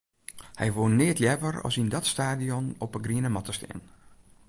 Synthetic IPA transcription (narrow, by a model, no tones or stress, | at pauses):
hɛ̰jʋoənːɪətljɛʋərɔ̰sindɔtstaːdiɔnɔpəɡriənəmɔtəstɛ̰ən